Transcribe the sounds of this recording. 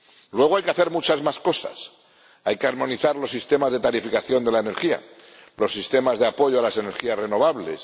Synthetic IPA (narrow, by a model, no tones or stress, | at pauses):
lwe̞ɣajkeaθe̞ɾmut͡ʃazmasko̞sa̰s | ajkeaɾmõ̞niθaɾlo̞sːist̪e̞mazðe̞t̪aɾifikaθjo̞nd̪e̞laene̞ɾxia̰lo̞sːist̪e̞mazðe̞apo̞ʝoalase̞ne̞ɾxiasre̞no̞βaβle̞̰s